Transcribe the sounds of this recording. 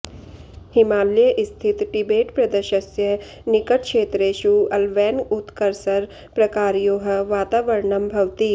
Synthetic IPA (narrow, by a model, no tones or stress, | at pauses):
hɪmaːlijəʔɪst̪ʰɪt̪ʈɪbeːʈpɾɐd̪əʃəsjə | nɪkəʈ̚kʃeːt̪ɾeːʃuːɐlʋɛːnɡʊt̪kəɾsɐɾ | pɾɐkaːɾjoːɦəʋaːt̪aːʋɐɾɳɐmbʱɐʋt̪i